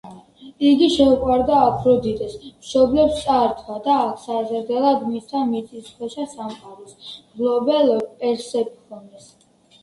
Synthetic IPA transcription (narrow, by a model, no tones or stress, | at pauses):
iɡiʃɛuqʼwaɾd̪aːkʰɾɔd̪id̪ɛsmʃɔblɛpst̪sʼaɾt̪ʰwad̪aːkʰsazɾd̪ɛlad̪mist̪ʰamit̪sʼisχʰwɛʃasamqʼaɾɔsɡlɔbɛlpʼɛɾsɛbikʰɔnd̪ɛs